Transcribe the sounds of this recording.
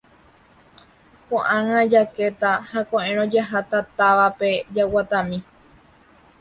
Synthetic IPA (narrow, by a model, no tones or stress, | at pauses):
kõʔãŋãd͡ʒake̞t̪ahakõʔẽɾ̃õd͡ʒaɦat̪at̪aʋape̞d͡ʒawat̪ãmĩ